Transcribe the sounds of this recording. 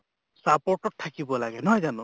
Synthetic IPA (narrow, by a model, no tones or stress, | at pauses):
sapɔɹʈɔt̚tʰːakibɔlaɡɛnɔɦɔjzanʊ